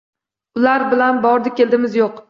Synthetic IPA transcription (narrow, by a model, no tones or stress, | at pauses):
ʊlaɾbɪlanbɒɾd̪ɪkʲe̞ld̪ɪmɪzjoq